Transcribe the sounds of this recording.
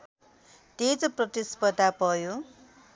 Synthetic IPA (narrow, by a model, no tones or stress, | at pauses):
t̪ed͡zoprʌt̪ispʌd̪ʱapʌjo